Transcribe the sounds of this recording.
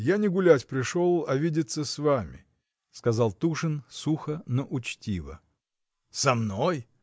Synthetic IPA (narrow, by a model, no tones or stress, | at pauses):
janʲɪɡʊlʲætʲpɾʲɪʂolˠɐvʲidʲɪt̪sːəsvamʲɪ̰ | skɐzɑlˠt̪uʂɨnsuxənəʔʊt͡ɕtʲivə̰ | sɐmnoj